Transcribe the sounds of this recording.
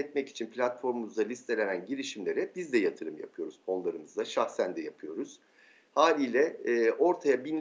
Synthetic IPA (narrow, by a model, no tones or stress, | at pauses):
ɛt̪mɛci̥t͡ʃʰinpʰlʲat̪fo̞ɾmumuzd̪alʲist̪ʰe̞lʲe̞nænɟiɾiʃimlʲe̞ɾɛbizd̪ɛjat̪ʰɯɾɯmja̰pʰɯjo̞ɾuz̥o̞nlˠaɾɯmɯzd̪aʃaxsænd̪ɛjapʰɯjo̞ɾuz̥ | haːlʲiːlʲɛːʔo̞ɾt̪ʰajabinʲ